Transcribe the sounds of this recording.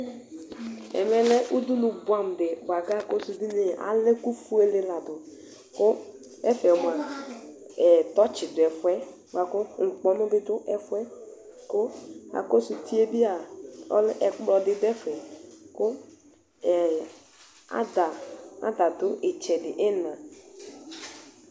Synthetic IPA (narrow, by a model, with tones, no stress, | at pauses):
ɛ̰˨mɛ˨lɛ˦ʔu˦du˦nʊ˨bwã˨m˨dɪ˨ba˨ɡa˦˨ko˦su˨di˦ne˨ʔa̰˨lɪ˦ku˦fu˦e˦lɪ˨la˨dʊ˨ | kʊ˦ | ɛ˦fɛ˨ɔ˨m˨a˨ | tɔ˦t͡ʃɪ˨dʊ˨ɛ˨fwɛ˦ | ba˨kʊ˦ŋ̩˨k͡pɔ˨nʊ˦bɪ˦dʊ˦ʔɛ˨fɛ˦ | kʊ˦a̰˨ko˦su˨ti˦e˦bi˦a˨ɔ̰˦lɪ˦ʔɛ˨k͡plɔ˨dɪ˨dɛ˦fɛ˨kʊ˦˨ | a̰˦da˨a̰˦da˨dʊ˦ʔɪ˨t͡ʃɛ˨dɪ˨ʔɪ˦nã˨